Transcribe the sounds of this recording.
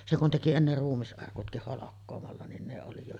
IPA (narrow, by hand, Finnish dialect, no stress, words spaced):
se kun teki enːer ruːmːisʔɑrkutkih holokːoːmɑlːɑ nin ne oli jo